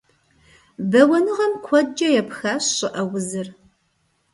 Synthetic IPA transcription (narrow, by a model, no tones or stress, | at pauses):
bɐwɐnɨʁɐmkʷʰɔd̚d͡ʒɐjɛpxaːɕɕʼɨʔɐwʊzɨr